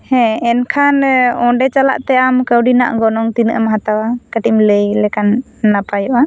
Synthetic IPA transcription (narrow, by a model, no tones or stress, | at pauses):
hɛ̃ɛnkʰanɔ̃ɖɛt͡ʃala̰ʔt̪ɛamkəwɖina̰ʔɡɔnɔŋt̪inəʔamɦat̪awakəʈimləjlɛkanː | apajɔʔa